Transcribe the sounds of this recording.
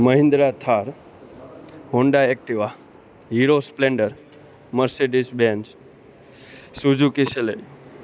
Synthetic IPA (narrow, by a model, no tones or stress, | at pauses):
məɦĩnd̪ɾat̪ʰaɾ | ɦoɳɖaek̚ʈiʋa | ɦiɾospleɳɖəɾ | məɾseɖisbens | sud͡ʒukiselej